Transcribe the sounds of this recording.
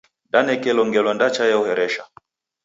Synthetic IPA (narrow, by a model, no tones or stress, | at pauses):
danɛkɛlɔŋɡɛlɔndat͡ʃajauhɛɾɛʃa